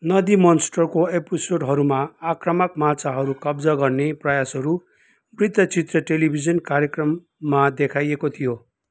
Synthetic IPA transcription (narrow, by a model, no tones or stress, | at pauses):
nʌd̪imʌnsʈʌrkoepisoɖɦʌɾumaːkrʌmʌkmat͡sʰaɦʌɾukʌbd͡zʌɡʌrneprʌjasɦʌɾu | brid̪ʱʌt͡sit̪rʌʈelibʱid͡zʌnkaɾjekrʌmː | ad̪ekʰajekot̪ʰijo